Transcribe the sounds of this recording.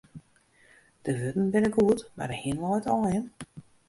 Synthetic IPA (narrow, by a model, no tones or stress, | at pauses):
d̥əʋøtn̩bɪnəkuətma̰dəhiənlɔjtɔjən